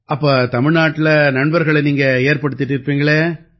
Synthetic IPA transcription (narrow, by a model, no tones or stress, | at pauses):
ʔɐpːoːt̪ɐmɪɻnaːʈːɪlɐnɐɳbɐɾɣɐɭɛniːŋɡɐeːɾpɐɽɯt̪ːɪʈːɪɾɯpːiːŋɡɐɭeː